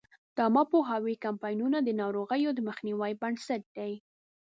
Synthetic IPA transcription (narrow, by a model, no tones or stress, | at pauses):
d̪̥ɑmɑpoɦawikampɑjnunad̪ənɑɾoɣəjod̪əməxniwəjbansaʈ̚d̪̥aj